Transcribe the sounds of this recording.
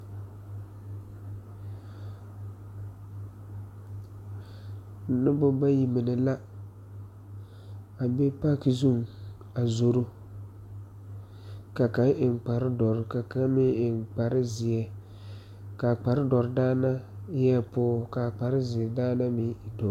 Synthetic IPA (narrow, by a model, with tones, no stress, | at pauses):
nɪ˦bʊ˦ba˦ji˨mɪ˨nɪ˨la˦ | a˨be˦pa˦ki˨zu˦˨ŋ | a˨zo˨ɾo˦ | ka˨ka˦ŋʔɪ˨nk͡pa˨ɾɪ˦dɔ˨ɾɪ˦ka˨ka˦mɪ˦ɪ˨nk͡pa˨ɾɪ˦zɪ˨ɛ˨ | ka˨k͡pa˨ɾɪ˦dɔ˨ɾɪ˨daː˦na˦jɛ˦˨pʊː˦ka˨k͡pa˨ɾɪ˦zɪ˨daː˦na˦mɪ˦ɪ˨dɔ˨˦